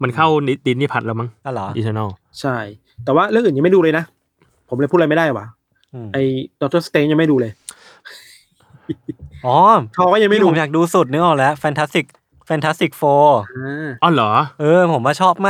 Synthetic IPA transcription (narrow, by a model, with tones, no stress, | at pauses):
ma˧nkʰa˥˩wni˦˥t̪̚di˧niː˥˩pʰa˨t̪̚laː˧wma˦˥˩ŋʔa˧˩lɔː˩˦ʔḭ˧˩t̪ʰəː˧˩na˥˩ | t͡ɕʰa˥˩j | t̪ɛː˨˩waː˥˩ɾɯ˥˩kʔɯː˨˩ɲa˧ma˥˩jduː˧lɤ˧jna˦˥ʔ | pʰo˩˦mlːpʰu˥˩t̚ːm˥˩da˥˩jwaː˨˩˦ | ʔɯː˧˩ʔa˧jdɔ˧k̚t̪ɔː˥˩st̪eː˧˦ŋja˧ŋma˥˩jduː˧lɤː˧j | ʔɔː˨˦t̪ʰɔː˧kɔː˥˩ja˧ŋma˥˩˨jduː˧˨˧jaː˨˩k̚duː˧su˨˩t̪̚nɯ˦˥ʔɔː˨˩lɛ˦˥ʔfɛː˧nt̪ʰa˦˥st̪i˨˩k̚ | fɛː˧nt̪ʰa˦˥st̪i˨˩k̚foː˧a˧ʔɔ˧˩lɔː˩˦ʔɤː˧pʰo˩˦mwaː˥˩t͡ɕʰɔː˥˩p̚maː˥